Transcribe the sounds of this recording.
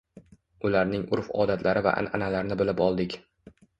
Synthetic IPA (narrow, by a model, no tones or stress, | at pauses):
ʊlaɾnɪŋʊɾfɒ̰ːd̪at̪ʰlaɾɪva̰ʔa̰nanalaɾnɪbɪlɪpɒlˠd̪ɪkʲ